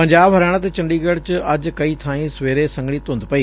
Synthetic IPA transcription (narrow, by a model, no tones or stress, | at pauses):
pɐ̃ɲd͡ʑaːbɦɐɾaːɽ̃t̪et͡ɕɐ̃ɳɖiːɡɐɽt͡ɕɪɐd͡ʑkɐiːt̪ʰãːĩsʋeːɾesɐ̃ŋɡɽ̃it̪õnd̪pɐiː